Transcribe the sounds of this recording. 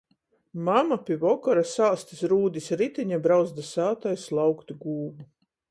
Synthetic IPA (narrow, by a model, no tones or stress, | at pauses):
mamapʲivɔkɔɾasaːst̪isɾuːd̪isɾit̪iɲabɾawzd̪asaːt̪ajslˠawkt̪ɡuːbu